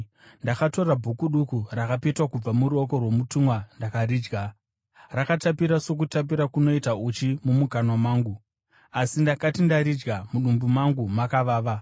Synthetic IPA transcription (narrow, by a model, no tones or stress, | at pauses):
ndakato̞rabʱukuɗukurakapetwakub͡vamuɾuoko̞rwo̞mutumwandakaɾiːd͡ʒɡa | rakatapiɾaso̞k̬utap̬iɾakuno̞itaut͡ʃimumukanomaːŋɡu | asindakatindaɾid͡ʒɡamuɗumbumaŋɡumakaʋaːʋa